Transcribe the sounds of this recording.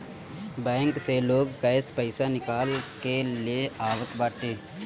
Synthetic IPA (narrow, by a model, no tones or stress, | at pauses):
bɛ̃ːŋkseloːɡkəɪspəɪsanɪkaːlkelieaːʋət̪baːʈ̪eː